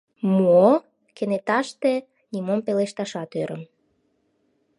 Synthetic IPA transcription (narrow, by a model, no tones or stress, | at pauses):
mo | kenet̪ɑʃt̪e | nʲimompeleʃt̪ɑʃɑt̪øɾəm